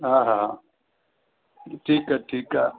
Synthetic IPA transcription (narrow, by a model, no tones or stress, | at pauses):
ɦãɦaa | ʈʰiːkɛʈʰiːka